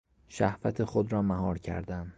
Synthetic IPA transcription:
ʃæhvæt̪ʰexod̪ɾɒːmæɦɒːɾcʰæ̰ɾd̪æm

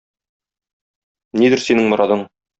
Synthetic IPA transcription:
nid̪ɘɾsinɘŋmŏɾʔɑðɤɴ

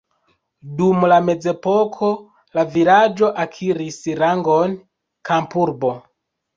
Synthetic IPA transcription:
dumlame̞d͡ze̞po̞kʰo̞ | lavilad͡ʒo̞ʔakʰiɾisɾaŋɡon | kʰampuɾbo̞

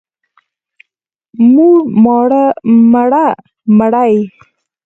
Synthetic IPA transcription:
mumɑɽəmaɽa | məɽaj

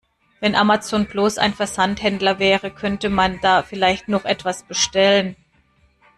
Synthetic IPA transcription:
vɛnʔamat͡soːnblosa̰ɪnfɛɐzanthɛndlɐvɛːʁəkʰœntəmand̥aːfɪlaɪçtnɔχʔɛtv̥asb̥əʃtɛlən

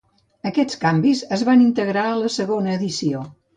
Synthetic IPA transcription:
əkɛt͡skambizəzβanint̪əɣɾaələsəɣonəːðisio

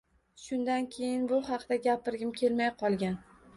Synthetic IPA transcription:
ʃʊnd̪ankʲʰe̞jɪnbʊɦɑqd̪̥aɡʲapʰɪɾɡʲɪmkʲʰe̞lmajqʰɒlˠɡʲan

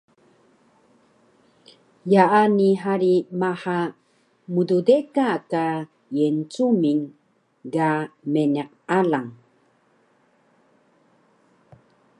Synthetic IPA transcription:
jaʔaniɦaɾimaħa | mududekaːka | jent͡sumin | ɡameneq̚alaŋ

